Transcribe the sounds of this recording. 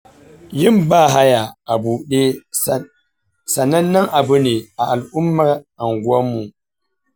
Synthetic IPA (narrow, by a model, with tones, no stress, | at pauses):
jɪ˦mbaː˦˨ɦa˦ja˨a˨buː˨ɗeː˦ | sa˨nɐ˦nːɐ˦ŋʔa˨bʊ˦ne˨a˨ʔa˨lʔʊ˦mːa˦ɾa˨ŋɡwɐ˦mːu˨